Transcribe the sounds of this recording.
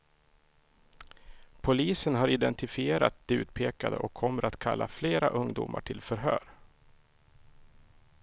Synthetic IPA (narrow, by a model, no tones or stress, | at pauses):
pʰʊliːsənɦaɾɪd̪ɛnt̪ɪfɪeːɾat̪̚d̪ɛʉ̟ːt̪pʰeːkad̪ə̰ʔɔkʰːɔmːəɾat̪kʰalːafleːɾaʔɵŋd̪ṵːmʔa̰ʈʰɪlfœɾɦœ̰ːɾ